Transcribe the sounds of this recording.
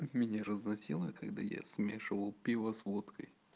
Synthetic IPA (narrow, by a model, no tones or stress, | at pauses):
mʲɪnʲaɾəznɐsʲilˠəkaɡd̪a̰ja̰smʲeʂɨvəlˠpʲivəsvut̪kʰəj